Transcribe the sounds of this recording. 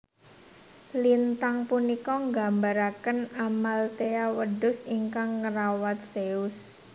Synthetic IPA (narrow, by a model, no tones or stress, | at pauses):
lint̪aŋpunikɔŋɡambaɾakənamalt̪eawədʊsiŋkaŋːəɾawat̪̚seus